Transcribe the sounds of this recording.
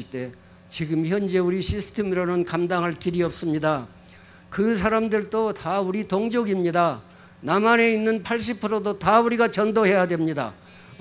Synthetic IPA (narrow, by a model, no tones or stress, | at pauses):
ɭt͈e̞ | t͡ɕiɡɯmçjʌnd͡ʑe̞uɾiɕʰisʰɯ̥tʰe̞mɯɾʌnɯnkamdaŋɦaɭkiɾiʌp̚s͈ɯmɲida | kɯs̬ʰaɾamdɯɭt͈otauɾitoŋd͡ʑoɡimɲida | namane̞inːɯnpʰaɭɕ̬ʰipʰɯɾodotauɾiɡat͡ɕʌndoɦe̞jadwe̞mɲida̰